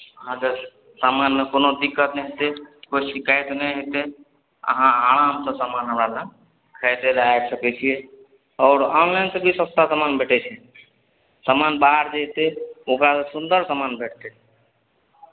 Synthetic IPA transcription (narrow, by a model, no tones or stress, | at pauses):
əɦãd͡ʒe | samanmekonod̪ikːət̪nɛɦet̪ekoisikaːjt̪nɛɦet̪e | ə̰ɦãaːɽ̃ãːmt̪ɔsamanɦəmɾala | kʰɛjt̪elajt̪səkɛt͡ʃʰije | ɔːɾɔːnlansebʱisəst̪asamaːnbʱeːʈɛt͡ʃʰɛ | samanbaɦəɾd͡ʒet̪eokɾasesund̪əɾsamaːnbeːʈʰt̪e